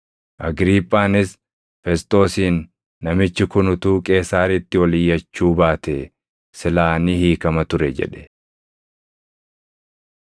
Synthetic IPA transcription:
ʔɐɡɾiːpʼːaːnɪs | fɛst̪ʼo̞ːsiːnː | ɐmɪt͡ʃːɪkʊnʊt̪uːkʼe̞ːsaːɾɪt̪ːɪwɐlɪjːɐt͡ʃːuːbaːt̪ɛ | sɪlaːnɪhiːkɐmɐt̪ʊɾɛd͡ʒɛ̰ᶑɛ̥

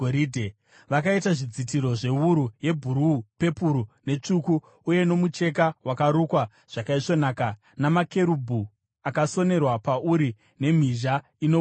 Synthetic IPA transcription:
oɾidʱe | ʋakaitaʐid͡zitiɾo̞ʐe̞uɾuje̞bʱuɾupe̞puɾune̞t͡ʂuku | uje̞no̞mut͡ʃe̞kawakaɾukwa | ʐ̥akaiʂo̞naːka | namake̞ɾubʱu | akaso̞ne̞rwapauɾi | ne̞m̤iʒa | ino

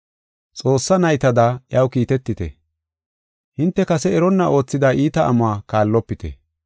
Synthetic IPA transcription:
t͡sʼo̞ːsːɐnɐjt̪ɐd̪aːjɐwkiːt̪ɛt̪ːɪt̪ɛ̰ | hɪnt̪ːɛkɐsɛɛɾɔnːɐʔo̞ːt͡sːɪd̪aːʔiːt̪ɐʔɐ̰mʊaːkaːlːɔpːɪt̪ɛ̰

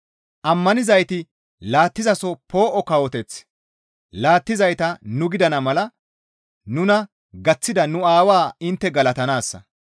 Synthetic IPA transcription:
ʔɐmːɐnɪzɐjt̪ɪ | laːt̪ːɪzɐsɔpo̞ːʔɔkɐwɔt̪ɛt͡s | laːt̪ːɪzɐjt̪ɐnʊɡɪd̪ɐnɐmɐlɐ | nʊnɐ | ɡɐt͡sːɪd̪ɐnʊaːwaːɪnt̪ːɛɡɐlɐt̪ɐnaːsːɐ̰

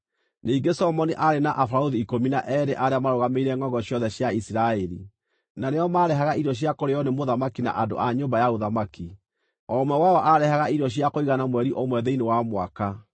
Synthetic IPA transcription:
neːɡesɔmɔniʔaɾenaʔafaɾaoðiːkominaʔɛɾeʔaɾeamaɾoɣameiɾɛŋɔŋɡɔɕjɔðɛɕjaisiɾaɛɾḭ | naneɔmaɾɛɦaɣaiɾɔɕ̬jakoɾejɔnemoðamakina̰ʔado̰ʔaɲoːmbajaoðamaki | ɔmwɛwaɔʔaɾɛhaɣaiɾɔɕiakoiɣanamwɛɾiʔomwɛðɛinewamwa̰ka

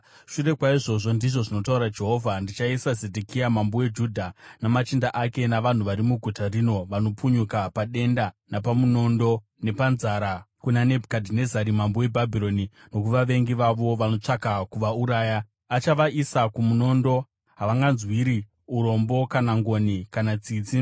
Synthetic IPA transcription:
ʃure̞kwaiʐo̞ʐo̞ndiʐo̞ʐino̞tauɾad͡ʒe̞ɦo̞ːvʱandit͡ʃaisaze̞dʱekijamambowe̞d͡ʒudʱanamat͡ʃindaʔake̞naʋan̤uʋaɾimuɡʱutarino̞ʋano̞puɲukapaɗe̞ndanapamuno̞ndo̞ | ne̞panzaɾa | kunane̞bʱukadʱine̞zaɾimambowe̞bʱabʱiɾo̞ni | no̞k̬uʋaʋe̞ŋɡiʋaʋo̞ʋano̞t͡ʂakakuʋauɾaːja | at͡ʃaʋaʔisakumuno̞ndo̞ | ɦaʋaŋɡanzwiɾi | uɾo̞mbo̞kanaŋɡo̞nikanat͡siːt͡si

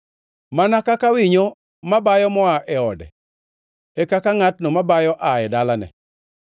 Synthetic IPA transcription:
manakakawɪɲɔ | mabajɔmɔaʔɛɔdɛ̰ | ɛkakaŋatnɔmabajɔʔaɛdalanɛ̰

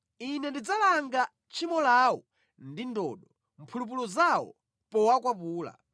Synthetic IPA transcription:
inɛndid͡zalaŋɡa | t͡ʃʰimɔlawɔ | ndindɔ̰ːɗɔ | m̩pʰulup̬ulɔzawɔ̰ | pɔwakwapuːla̰

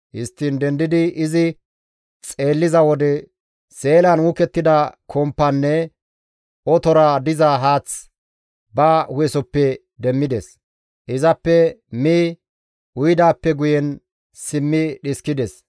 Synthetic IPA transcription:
hɪst̪ːiːnd̪ɛnd̪ɪd̪ɪʔɪzɪ | t͡sʼe̞ːlːɪzɐwɔd̪ɛ | se̞ːlɐnwʊkɛt̪ːɪd̪ɐkʰɔmpːɐnːɛ | ɔt̪ɔɾad̪ɪzɐɦaːt͡s | bɐːhʊjɛsɔpːɛ | d̪ɛmːɪd̪ɛs | ʔɪzɐpːɛmiː | ʔʊjd̪aːpːɛɡʊjɛn | sɪmːɪɗɪskɪd̪ɛs

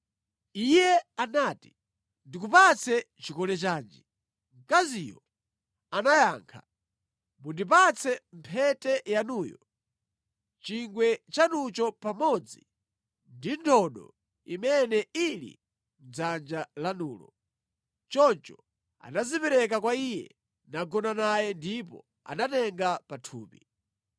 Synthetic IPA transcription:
ijɛanati | ndikupat͡sʰɛ | t͡ʃikɔlɛt͡ʃaːnd͡ʒi | ŋkaziːjɔ | anajaːŋkʰa | mbundip̬at͡sʰɛmpʰɛtɛjanuːjɔ | t͡ʃiŋɡwɛt͡ʃanut͡ʃɔpamɔd͡zi | ndintʰɔɗɔ̰ | imɛnɛilḭ | m̩d͡zand͡ʒalanuːlɔ̰ | t͡ʃɔnt͡ʃɔ | a̰nazipɛɾɛk̬akwaijɛ̰ | naɡɔnanajɛndip̬ɔ̰ | a̰natɛŋɡapatʰuːpḭ

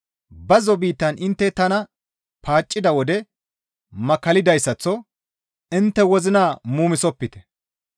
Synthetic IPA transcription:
bɐzɔbiːt̪ːɐnɪnt̪ːɛt̪ɐnɐ | pʰaːt͡ʃʼːɪd̪ɐwɔd̪ɛ | mɐkɐlɪd̪ɐjsːɐt͡sːɔ | ɪnt̪ːɛwɔzɪnaːmuːmɪsɔpːɪt̪ɛ̥

